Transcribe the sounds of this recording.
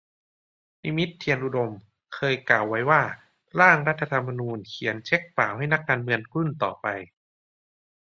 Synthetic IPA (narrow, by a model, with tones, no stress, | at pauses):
ni˦˧˥mi˦˥t̪ʰːi˧ənʔu˧do˧m | kʰɤː˧jklaː˨˩wːa˦˥jwaː˥˩ | ɾaː˥˩ŋɾa˦˥t̪ʰːa˧t̪ʰa˧mːa˧nuː˧nkʰi˨˩˦ənt͡ɕʰe˦˥k̚paː˨˩wha˥˩jna˦˥k̚ːaː˧nmɯ˧ənku˥˩nt̪ɔː˨˩pa˧j